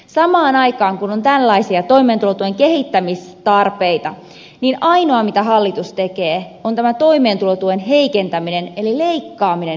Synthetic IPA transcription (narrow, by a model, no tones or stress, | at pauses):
sɑmɑːnɑikɑːŋkunont̪ælːɑisiɑt̪o̞imeːnt̪ulot̪ueŋkehit̪ːæmist̪ɑrpeit̪ɑ | ninɑino̞ɑmit̪æhɑlːit̪ust̪ekeːont̪æmæt̪o̞ime̞ːnt̪ulot̪uenɦeikent̪æminenelileikːɑːmine